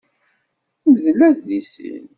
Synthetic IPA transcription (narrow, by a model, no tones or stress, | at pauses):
məðəlːæðːisḭn